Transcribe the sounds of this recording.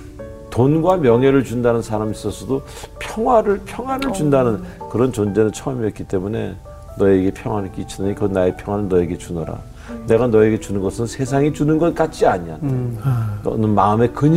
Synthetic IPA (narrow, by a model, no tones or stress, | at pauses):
tonɡwamjʌŋɦe̞ɾɯɭt͡ɕundanɯnsʰaɾamis͈ʌsʰʌdo | pʰjʌŋɦwaɾɯɭpʰjʌŋɦwaɾɯɭt͡ɕundanɯnkɯɾʌnt͡ɕond͡ʑe̞nɯnt͡ɕʰʌmiʌt̚k͈it͈e̞mune̞ | nʌe̞ɡe̞pʰjʌŋwanik͈it͡ɕʰidɯɲikɯnaepʰjʌŋɦwanɯnːʌe̞ɡe̞t͡ɕunʌɾa̰ | ne̞ɡanʌe̞ɡe̞t͡ɕunɯnɡʌsʰɯnsʰe̞s̬ʰaŋit͡ɕunɯnɡʌt̚k͈at͡ɕ͈iaɲian | ʌ̰nɯnmaɯme̞kɯɲ